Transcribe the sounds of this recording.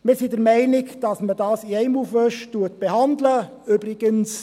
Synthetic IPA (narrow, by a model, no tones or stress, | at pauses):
mɪɾsidəɾmɛɪnɪkd̥ɑsmədɑːsiɛɪmufʋœʃtuət̚b̥ehɑndlə | øbɾɪɡ̥əns